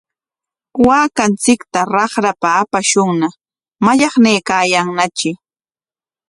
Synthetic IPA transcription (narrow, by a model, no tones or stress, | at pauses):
waːkant͡sɪkt̪aɾɑχɾapaːpaʃʊŋna | maʎɑχnejkaːjaŋnat͡ʃɪ